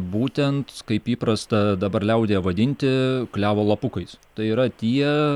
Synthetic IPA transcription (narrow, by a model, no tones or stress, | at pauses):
buːt̪ʲɛnt̪kɐɪpiːpɾɐst̪ɐd̪ɐbɐɾlʲɛʊd̪ʲeːʋɐd̪ʲɪnʲt̪ʲɪklʲæːʋoːlˠɐpʊkɐɪst̪ɐɪiːɾɐt̪ʲiɛ